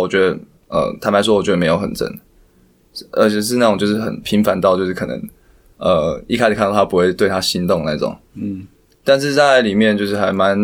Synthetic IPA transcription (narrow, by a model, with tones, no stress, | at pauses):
wɔ˨˩t͡ɕɥɛ˧˦˥d̪ə˧˦ | ə̰˨˩t̪ʰa˥˩ma˧˥ɔ˥wɔ˨˩t͡ɕɥɛ˦d̪ə˧me˧˥ɪjo˧˥ʊxə̰˨˩nt͡sə̰˥˩n | ʔə̰˧˥t͡ɕʰɛ˨˩ʂ̬ɻ̩˥˧na˥˩˨ŋt͡ɕjo˥˧ʊʂ̩˥˩xə̰˨˩npʰi˧˥ŋfa˧˦nt̪ɑ˥˨ʊt͡ɕjo˥˧ʊʂɻ̩˥˩kʰɤ̰˨˩nə̰˦ŋ | ə˨˩i˥kʰa˥ɪʂ̩˨kʰa˥˧nkt̪ʰa˥pu˧˥xwe˥˧ɪt̪we˥˩ɪt̪ʰa˦˥ɕi˦nt̪ʊ˥˨ŋna˧˦˥t͡sʊ̰˨˩˦ŋ | t̪a˥˧nʂ̬ɻ̩˥˧t͡sa˥˩ɪɪli˨˩mjɛ˥˨nt͡ɕjʊʂɻ̩˥˩xa˧ɪma˧˦n